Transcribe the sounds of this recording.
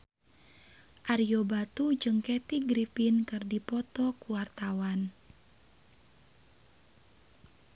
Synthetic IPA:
ʔaɾiobat̪ud͡ʒɨŋkɛt̪iɡɾifinkɨrdipɔt̪ɔkuwart̪awan

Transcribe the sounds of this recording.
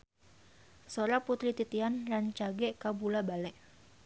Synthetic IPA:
soɾaput̪ɾit̪it̪ianlant͡ʃaɡɛʔkabulabalɛʔ

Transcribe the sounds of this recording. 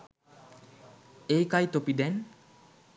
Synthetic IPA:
ejkajt̪opid̪ɛn

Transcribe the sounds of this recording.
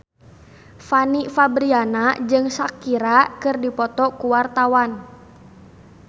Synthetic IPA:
fanifabɾianad͡ʒɨŋsakiɾakɨrdipɔt̪ɔkuwart̪awan

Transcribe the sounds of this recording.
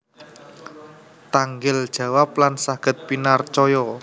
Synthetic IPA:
t̪aŋɡɪld̥ʒ̥ä̤waplansaɡ̥ə̤t̪̚pinart͡ʃɔjɔ

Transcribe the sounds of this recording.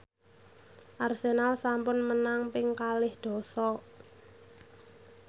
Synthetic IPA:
ʔarsenalsampʊnmənaŋpɪŋkalɪhd̪̥ɔ̤sɔ

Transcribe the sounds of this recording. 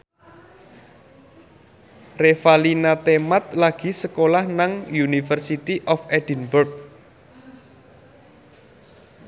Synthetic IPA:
refalinat̪emat̪̚laɡ̥i̤səkolahnaŋjunifərsit̪iʔɔfɛd̥inbʊrk̚

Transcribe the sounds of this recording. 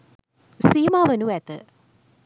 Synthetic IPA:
siːmaʋɐnuɛt̪ːɨ

